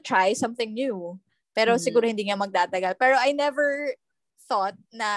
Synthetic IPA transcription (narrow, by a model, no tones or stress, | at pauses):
t̪ɹajsɐ̃mθɪŋnju | pɛːɾo̞sɪɡuːɾohɪnd̪iːŋɐmɐɡ̚t̪aːt̪ɐɡɐlpɛːɾo̞ʔɐjnɛvɛɹ | θot̪̚nɐ